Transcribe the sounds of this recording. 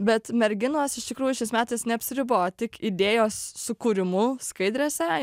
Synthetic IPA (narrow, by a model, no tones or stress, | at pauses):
bʲɛt̪mʲɛɾʲɡʲɪnoːsɪʃt̪ʲɪkɾuːjʊʃʲɛɪsmʲæːt̪ɐɪsnʲɛɐpʲsʲɪɾʲɪboːt̪ʲɪkid̪ʲeːjoːsːʊkuɾʲɪmʊskɐɪd̪ʲɾʲeːsʲɛ